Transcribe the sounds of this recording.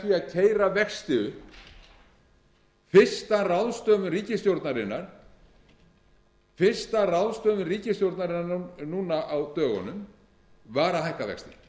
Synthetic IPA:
viaðcʰeːjɾavɛkst̪ɪʏ | fɪr̥st̪arawðst̪œːmʏriːcɪst̪jowɾt̪naɾɪnːaɾ̥ | fɪr̥st̪arawðst̪œːmʏriːcɪst̪jowɾt̪naɾɪnːanuːnaʔawt̪œːɣɔ̰nʏm | vaːɾaɦajhkavɛ̰kst̪ɪ

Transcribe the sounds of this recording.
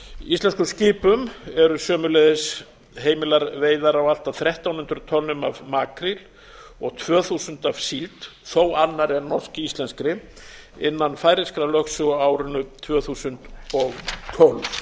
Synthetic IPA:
ist̪lɛnskʏsciːpʏmɛɾʏsœːmʏlɛːðɪs | ɦeːjmɪlaɾveːjðaɾawal̥t̪aθɾɛht̪awnʏnt̪ɾʏt̪ʰɔlnʏmavmaːkɾil | ɔɣt̪ʰvœːθusʏnt̪av̥silt̪θoːwanːaɾɛnnɔr̥scɪist̪lɛnskɾɪ | ɪnːanfaːjɾɪskɾalœxsʏɣaːwɾʏnʏt̪ʰvœːθusʏnt̪ɔɣt̪ʰɔlv

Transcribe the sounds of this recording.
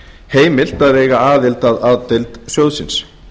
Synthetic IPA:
heːjmɪl̥t̪aðvɛːjɣaaːðɪlt̪aðaːðt̪ɪlt̪sjowðsɪns

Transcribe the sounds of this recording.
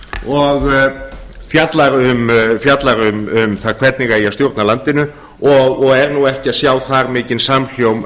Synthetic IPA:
ɔɣ | fjat̪laɾʏmfjat̪laɾʏmʏmθaðkʰvɛt̪niŋkaiast̪jowɾt̪nalant̪ɪnʏ | ɔɣɔɣɛɾnuɛhcɪaðsjaːwθaɾmɪːcɪnsaml̥jowm

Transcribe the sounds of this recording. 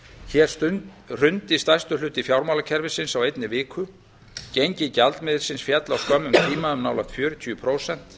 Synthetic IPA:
çɛːɾ̥st̪ʏ | r̥ʏnt̪ɪst̪ajst̪ʏlʏːt̪ɪfjawɾmawlacʰɛɾvɪsɪnsawejt̪nɪvɪːkʰʏ | ceɲcɪcalt̪mɪðɪ̥ɾ̥sɪnsfjɛt̪lawskœmːʏmt̪ʰiːmaʏmnaːwlaxt̪fjœːɾʏt̪ʰyʏpʰɾoːwsɛn̥t̪

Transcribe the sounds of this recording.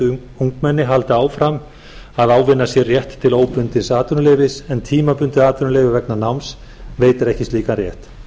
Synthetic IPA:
uŋkmɛnːɪɦalt̪ɪaːwfɾam | aðaːwvɪnːasjɛrjɛht̪ʰːɪloːwpʏnt̪ɪnsaːt̪ʏnʏleːvɪsɛnt̪ʰiːmapʏnt̪ɪaːt̪ʏnʏleːvɪvɛknanawms | veːjt̪ɪɾɛhcɪst̪iːkanrjɛ̰ht̪

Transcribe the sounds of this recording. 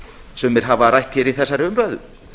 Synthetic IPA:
sɛmːɛɾ̥ɦavaɾajhcɪɾiθɛsːaɾʏmɾœːðʏ

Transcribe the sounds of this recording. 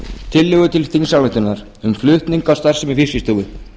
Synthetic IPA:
t̪ʰɪlːʏːɣʏt̪ʰɪlθiŋsawlaht̪ʏnːaɾ̥ | ʏmflʏht̪niŋkawst̪ar̥sɪmɪfɪsjɪst̪uwɣʏ

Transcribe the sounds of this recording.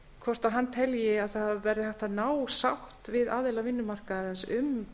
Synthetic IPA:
kʰvɔr̥t̪aɦanːt̪ʰɛljɪaðθavɛɾðɪθɛht̪anaːwsawht̪vɪðaːðelavɪnːʏmar̥kaɾansʏm

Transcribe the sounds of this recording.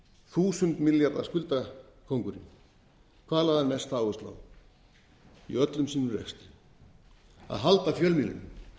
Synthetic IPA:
θuːsʏnt̪miljaɾða̰skʏlt̪akʰowŋkʏɾim | kʰaːlaðanmɛst̪aːwʏst̪la̰w | ḭœt̪lʏmsiːnʏrɛ̰kst̪ɪ̥ | a̰ðɦalt̪afjœlmilɪ̰n

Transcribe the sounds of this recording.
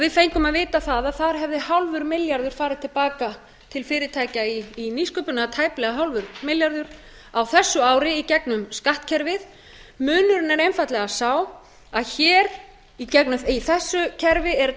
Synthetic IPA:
avɪðfejɲŋkʏmaðvɪːt̪aθaðaðθaɾ̥ɦɛvðɪhawlvʏɾmɪljaɾðʏɾ̥faːɾɪð̥t̪ʰɪlpaːka | t̪ʰɪlfɪːɾɪt̪ʰajcaiːniskʏpʏnat̪ʰaːjplɛɣaɦawlvʏɾmɪljaɾðʏɾ̥ | awθɛsːʏaːwɾɪicɛknʏmskaht̪cʰɛɾvɪð | mʏːnʏɾɪnɛɾejnfajt̪lɛɣasaːw | aðçɛːɾ | icɛknʏiθɛsːʏcʰɛɾvɪɛɾ

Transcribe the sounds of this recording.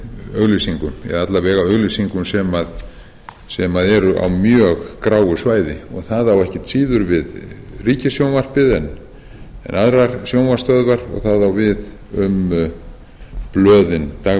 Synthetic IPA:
œɣlisiŋkʏmɛ̰ðat̪lavɛːɣawœɣlisiŋkʏmsɛmað | sɛmaðɛɾʏʔa̰wmjœːɣkɾaːwɣʏsvaːjðɪɔɣθaðawɛhcɪ̥t̪siːðʏɾvɪðriːcasjownvar̥pɪðɛn | ɛ̰naðɾaɾ̥sjownvarst̪œðvaɾɔ̰ɣθaðawvɪð | ʏm | plœːðɪnt̪a

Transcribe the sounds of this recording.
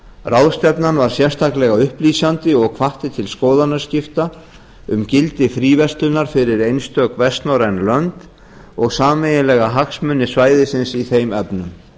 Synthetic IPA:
rawðst̪ɛpnanvaɾ̥sjɛr̥st̪ʰaklɛɣaʏhpliːsant̪ɪɔɣkʰvaht̪ɪt̪ʰɪlskɔːðanːascɪft̪a | ʏmcɪlt̪ɪfɾiːvɛst̪lʏnːaɾ̥fɪɾɪɾejnst̪œkvɛst̪naɾɛnlœnt̪ | ɔɣsaːmejɪlɛːɣaɦaksmʏnːɪsvaːjðɪsɪnsiθejmɛpnʏm

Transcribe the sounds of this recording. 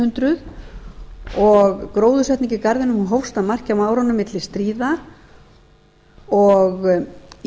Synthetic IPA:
ʏnt̪ɾʏð | ɔɣkɾoːwðʏsɛht̪niɲcɪkaɾðɪnʏmhunɦowst̪aðmar̥cɪawmaːwɾɔnːʏmɪt̪lɪst̪ɾiːða | ɔɣ

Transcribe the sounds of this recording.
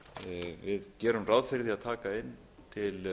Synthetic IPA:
vɪðcɛːɾʏmraðfɪɾðiaðt̪ʰaːkaɪnː | t̪ʰɪl

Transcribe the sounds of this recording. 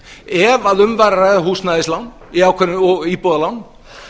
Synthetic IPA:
ɛvaðʏmvaɾrajðaɦuːsnaðɪslawn | iaːwkʰvɛɾʏɔɣipɔːðalawn

